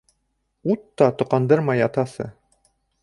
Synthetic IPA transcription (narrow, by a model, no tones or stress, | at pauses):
ut̪ːɑt̪ŏqɑnd̪ɤɾmɑjɑt̪ɑsɤ̰